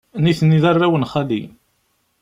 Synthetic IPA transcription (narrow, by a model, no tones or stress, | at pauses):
niθənːiðɑrˤːæwənχalḭ